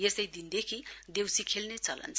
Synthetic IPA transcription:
jest̪ʌjd̪ind̪ekʰid̪ewsikʰelnet͡sʌlʌ̰nt͡sʰ

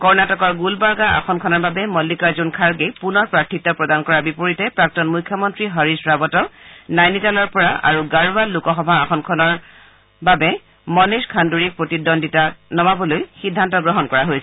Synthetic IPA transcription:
kɔɹnatɔkɔɹɡulbaɹɡaa̰xʰɔnkʰɔnɔɹbabɛmɔlːikaɹzunkʰaɹɡejpunɔɹpɹaktʰːitːɔpɹɔdankɔɹabipoɹitɛpɹak̚tɔnmujkʰːjɔmɔntɹiɦɔɹisɹabɔtɔnajnitalɔɹpɔɹaʔa̰ɹuɡaɹubalːukɔxɔbʱaːxʰɔnkʰɔnɔɹ | babɛ | mɔniskʰanduɹik̚pɹotidɔnditanɔmabɔlojxidʱːantɔɡɹɔɦɔnkɔɹaɦojsɛ

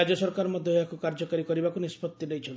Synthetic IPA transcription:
ad͡ʒɔsɔɾkaɾɔmɔd̪ʱjɔɦeakukaɾd͡ʒɔkaɾikɔɾibakunispɔt̪ːilejt͡ʃʰɔn

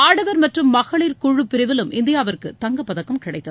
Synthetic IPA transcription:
aːɽɐʋɐɾmɐʈrɯmːɐɣɐɭɪɾkʊɻɯpːɪɾɐʋɪlɯmʔɪnd̪ɪjaːʋɐɾkɯt̪ɐŋɡɐpːɐðɐkːɐmkɪɽɐɪt̪ːɐð

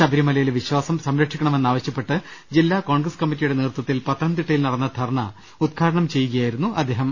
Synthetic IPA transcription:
ɐbʱɐɾimɐlɐjilʋiɕwaːsɐmsɐmɾɐkʂikʲːɐɳɐme̞nːaːʋɐɕjɐpːe̞ʈːɨd͡ʑilːaːko̞ːɳɡrɐskɐmːit̬ːijuɽe̞neːrt̪wɐt̪ːilpɐt̪ːɾɐnt̪iʈːɐjilnɐɽɐnːɐd̪ʱɐrɳɐ̰ | ud̪̚kʰaːɾɐɳɐmt͡ɕe̞juɣɐjaːjiɾunːuʔɐd̪ʱːe̞ːɦɐm

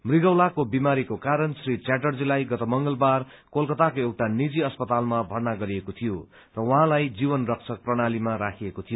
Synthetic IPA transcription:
mriɡʌwlakobimaɾikokaɾʌnsrit͡saʈʌrd͡zilajɡʌt̪ʌmʌŋɡʌlbar | kolkʌt̪akoewʈanid͡ziʌspʌt̪almabʱʌrnaɡʌɾiekot̪ʰijo | rʌwʌɦãlajd͡zibʌnrʌk̚t͡sʰʌk̚prʌɽalimaɾakʰiekot̪ʰijo

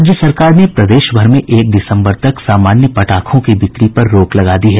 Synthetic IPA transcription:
d͡ʒjəsɐɾkaːɾnepɾɐd̪eːʃbʱɐɾmẽʔeːk̚ɖ̪ɪsə̃mbəɾt̪ɐksaːmaːnjəpɐʈaːkʰõkibɪk̪ɾipɐɾːoːklɐɡaːd̪iɦɛː

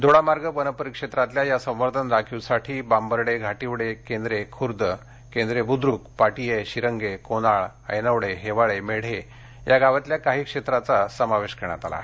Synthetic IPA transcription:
d̪ʱoɭamaɾɡəpənəpəɾikʂet̪ɾat̪ljajasə̃w̃ʋəɾt̪ʰənɾakʰiwsaʈʰiːbambəɾɽeɡʱaʈiʋɽekend̪ɾekʰuɾd̪ə | kẽnd̪ɾebud̪ɾukpaʈijeɕiɾəŋɡekonaɭ | ə̰jnəʋɽeɦeʋaɭemeɽ̤e | jaɡaʋat̪ljakaɦiːkʂet̪ɾat͡sasəmaʋeɕkeɾɳ̃a̰t̪a̰la̰

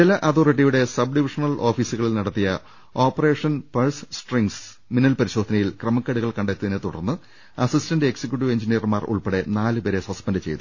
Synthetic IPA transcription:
t͡ɕilɐʔɐt̪ʰoriʈ̬ːijuɽe̞sɐbɖiʋiʂɐnɐlʔo̞ːfiːsuɣɐɭilnɐɽɐt̪ːijɐ | o̞ːpːɐre̞ːʂɐnpɐrssʈriŋɡs | minːɐlpɐɾiɕo̞ːd̪ʱɐnɐjilkrɐmɐkːɐɽuɣɐɭkɐɳɖet̪ːɐðinet̪uɽɐ̰rnːɨ | ɐsistɐndɨeksikʲːjuʈ̬ːiʋe̞ɲd͡ʑinijɐrmaːrṵɭpeɽe̞naːlɨpeːɾeswɐspendɨt͡ɕe̞̰jt̪u

